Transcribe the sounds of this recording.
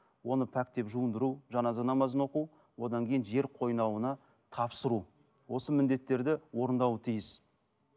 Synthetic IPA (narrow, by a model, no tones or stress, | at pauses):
wo̞nəpʰækt̪e̞pʒuənd̪əɾuʒɑnɑzənɑmɑzənwo̞qu | wo̞d̪ɑŋkʲʰe̞jɪnʒe̞ɾqʰo̞jnɑwənɑ | t̪ʰɑpsəɾu | wo̞səmɪnd̪e̞t̪ːe̞ɾd̪ɪwo̞ɾənd̪ɑwət̪ʰijɪs